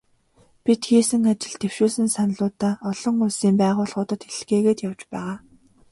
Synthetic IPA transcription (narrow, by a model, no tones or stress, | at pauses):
pʲit̪xeːsɘ̆ŋat͡ɕɪ̆ɮt̪ʰew̥ʃuːsɘ̆nsanɮʊːt̪aːɔɮ̥ɞ̆ŋʊsiːmpæːʁʊːɮʁʊːt̪ə̆t̪xeɮ̆xeːɣeːt̪jawt͡ɕpæ̰ːʁaː